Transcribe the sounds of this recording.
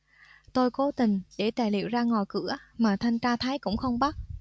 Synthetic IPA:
t̪o˧jko˨˦t̪ï˨˩ŋ̟ɗḛ˧˩t̪aː˨˩lḭ˧˨əwzaː˧ŋɔ˨˩jkɨ̰˧˥əmaː˨˩t̪ʰa˧jŋ̟t͡ɕaː˧t̪ʰaː˨˦jkʊ̰˧˥ŋ͡mxə˧wŋ͡mɓa˦˥t̚

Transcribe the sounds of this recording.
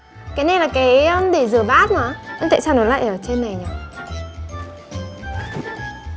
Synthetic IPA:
kaː˨˦jna˧˩jlaː˨˩kaː˨˦jə˧mɗe˧˩zɨ˨˧˩əɓaː˦˥t̚nɔ˨˩˦ʔa˧ŋt̪a̰˧˨saː˧wno˨˦jla̰ː˧˨jʔəː˧˩t͡ɕe˧nːa˨˩jɲa˨˩

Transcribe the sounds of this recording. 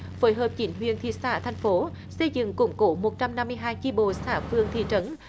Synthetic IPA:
fo˨˦jɦəː˨˩p̚t͡ɕi˧˩˥nɦwḭ˧˨ənt̪ʰḭ˧˨saː˧˩t̪ʰɛ˨˩jŋ̟fo˨˦ | sə˧jzɨ̰˧˨ŋkʊ̰˧˩ŋ͡mko˨˦mo˨˩t̚t͡ɕa˧mna˧mːɨ˧əjɦaː˧jki˧ɓo̰˧˨saː˧˩fɨ˧əŋt̪ʰḭ˧˨t͡ɕə˨˦n

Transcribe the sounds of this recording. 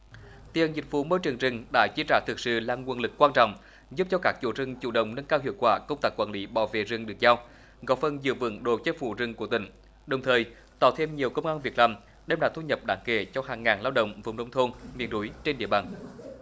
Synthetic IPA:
t̪i˧˩˨ə˨˩zï˨˩k̟vṵ˧˦mo˧jt͡ɕɨ˨˩əŋzɨ˨˩ŋ̟ɗa̰ː˧˥t͡ɕi˧˥t͡ɕaː˧˩t̪ʰɨ˨˩k̚sɨ̰˧˨laː˧˩ŋwənlɨ˨˩kːwaː˧nt͡ɕɔ̰˧˨wŋ͡m | zu˦˥p̚t͡ɕɔ˧kaː˦˥k̚t͡ɕu˧˩zɨ˧˩ŋt͡ɕṵ˧˩ɗə̰˧˨wŋ͡mnə˧nkaː˧whɦḭ˧˨əwkwaː˧˩kə˧wŋ͡mt̪aː˦˥kːwaː˧˩li˨˦ɓaː˧˩wvḛ˧˨zɨ˨˩ŋɗɨ˨˩ək̚zaː˧w | ɣɔ˨˥fə˨˧˩nzɨ̰˧˨vɨ̰˧˥ŋɗo̰˧˨˩t͡ɕə˦˥t̚fṵ˧˩zɨ˨˧˩ŋku˧˩ət̪ï˧˨˩ŋ̟ | ɗə˨˩wŋ͡mt̪ʰəː˨˩j | t̪ɔ̰˧˩t̪ʰe˧mɲi˨˩əwkə˧wŋ͡mʔaː˧nvi˨˩ək̚laː˨˩m | ɗɛ˧mlaː˧˩t̪u˧ɲə˨˩p̚ɗaː˨˦ŋke˧˩t͡ɕɔ˧ɦaː˨˩ŋːaː˨˩nlaː˧wɗə̰˧˨wŋ͡mvə̰˧˩˨wŋ͡mɗə˧wŋ͡mt̪ʰo˧nmḭ˧˨ənɗu˨˦jt͡ɕe˧nɗḭ˧˨əɓaː˨˩n

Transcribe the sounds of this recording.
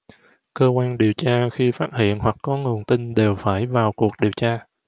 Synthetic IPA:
kəː˧kwaː˧nɗi˨˩əwt͡ɕaː˧xi˧faː˦˥t̚hḭ˧˨ənhwa˨˩kːɔ˨˦ŋu˨˩ənt̪i˧nɗe˨˩wfaː˧˩jvaː˨˩wku˨˩ək̚ɗi˨˩əwt͡ɕaː˧

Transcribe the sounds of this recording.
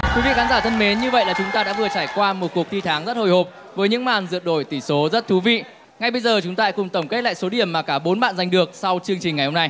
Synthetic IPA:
kwi˨˦vḭ˧˨xaː˨˦zaː˧˩t̪ʰə˧nme˨˦nɲɨ˧və̰˧˨jlaː˨˩t͡ɕʊ˨˦ŋ͡mt̪aː˧ɗa̰ː˧˥vɨ˨˩ət͡ɕaː˧˩jkwaː˧mo˨˩t̚ku˨˩ək̚t̪ʰi˧t̪ʰaː˨˦ŋzə˦˥t̚ho˨˩jho˨˩p̚ | vəː˨˦jɲɨ̰˧˥ŋmaː˨˩nzɨ̰˧˨ət̚ɗo˧˩jt̪i˧˩so˨˦zə˦˥t̚t̪ʰu˨˦vḭ˧˨ | ŋa˧˩jɓə˧jzəː˨˩t͡ɕʊ˨˦ŋ͡mt̪aː˧kʊ˨˩ŋ͡mt̪ə˧˩ŋ͡mke˦˥t̚la̰ː˧˨jso˨˦ɗi˧˩əmːaː˨˩kaː˧˩ɓo˨˦nɓa̰ː˧˨nza˨˩ŋ̟ɗɨ˨˩ək̚sa˧wt͡ɕɨ˧əŋt͡ɕï˨˩ŋ̟ːa˨˩jho˧na˧j

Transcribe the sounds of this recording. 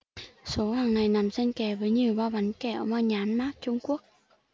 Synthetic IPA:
so˨˦haː˨˩ŋna˨˩jna˨˩mzə˧nkɛ˧˩vəː˨˦jɲi˨˩ə˩wɓaː˧˩ɓa˨˦nkɛ˨˧˩ʔəː˧˩maː˧ɲaː˨˦nmaː˦˥k̚t͡ɕʊ˧ŋ͡mku˦˥ək̚

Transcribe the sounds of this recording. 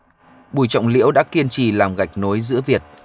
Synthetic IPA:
ɓu˧˩jt͡ɕɔ̰˧˨wŋ͡mlḭ˧˥əwɗa̰ː˧˥ki˧ənt͡ɕi˧˩laː˨˩mɣa˨˩jk̟̚no˨˦jzɨ̰˧˥əvi˨˩ət̚

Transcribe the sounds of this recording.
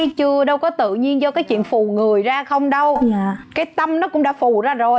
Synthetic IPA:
t͡ɕɨ˧əɗə˧wkɔ˨˦t̪ɨ̰˧˨ɲi˧ənzɔ˧kaː˨˦jt͡ɕwḭ˧˨ənfu˨˩ŋɨ˨˩əjzaː˧xə˧wŋ͡mɗə˧waː˧˨kaː˨˦jt̪ə˧mnɔ˨˦˥kʊ̰˧˥ŋ͡mɗa̰ː˧˥˦fu˨˩zaː˧zo˨˩j

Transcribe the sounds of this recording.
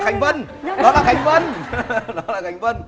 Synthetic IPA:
xa˨˩jŋ̟və˧nɗɔ˨˦laː˨˩ha˨˩jŋ̟və˧nɗɔ˨˦laː˨˩ha˨˩jŋ̟və˧n

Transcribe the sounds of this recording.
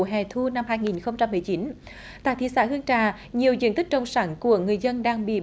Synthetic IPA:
ɦɛ̰˨˩t̪ʰu˧na˧mhaː˧jŋi˨˩nxə˧wŋ͡mt͡ɕa˧mːɨ˨˩əjt͡ɕi˨˦n | t̪a̰ː˧˨t̪ḭ˧˥saː˧˥hɨ˧əŋt͡ɕaː˧˨˩ | ɲi˨˩əwzḭ˧˥nt̪ï̟˦˥t͡ɕə˧wŋ͡msaː˨˦nku˧˩əŋɨ˨˩əjzə˧nɗaː˧ŋɓḭ˧˨

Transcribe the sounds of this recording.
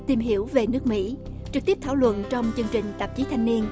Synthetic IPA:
t̪i˨˩mɦi˧˩˥əwve˨˩nɨ˦˥ək̚mḭ˧˥ | t͡ɕɨ˨˩k̚t̪i˦˥p̚t̪ʰaː˧˩wlwə̰˧˨nt͡ɕɔ˧wŋ͡mt͡ɕɨ˧əŋt͡ɕï˨˩ŋ̟t̪ə˨˩p̚t͡ɕi˨˦t̪ʰa˧jŋ̟ni˧ən

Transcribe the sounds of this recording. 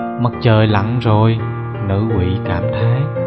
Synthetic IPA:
mə˦˥t̚t͡ɕəː˨˩jla̰˧˨ŋzo˨˩j | nɨ̰˧˥ʔwḭ˧˨kaː˧˩mt̪ʰaː˨˦j

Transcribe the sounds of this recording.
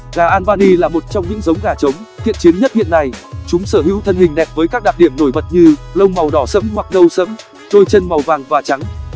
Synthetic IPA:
ɣaː˨˩ʔaː˧nvaː˧ni˧laː˨˩mo˨˩t̚t͡ɕɔ˧wŋ͡mɲɨ̰˧˥ŋzə˨˦wŋ͡mɣaː˨˩t͡ɕə˨˦wŋ͡mt̪ʰḭ˧˨ənt͡ɕi˨˦ənɲə˦˥t̚hḭ˧˨ənːa˨˩jt͡ɕʊ˨˦ŋ͡msəː˧˩ɦḭ˧˥wt̪ʰə˧nhï˨˩ŋ̟ɗɛ˨˩p̚vəː˨˦jkaː˦˥k̚ɗaː˨˩ɗi˧˩əmno˧˩jɓə˨˩t̚ɲɨ˧lə˧wŋ͡mma˨˩wɗɔ˧˩sə̰˧˥mhwa˨˩k̚ɗə˧wsə̰˧˥m | ɗo˧jt͡ɕə˧nma˨˩wvaː˨˩ŋvaː˨˩t͡ɕa˨˦ŋ

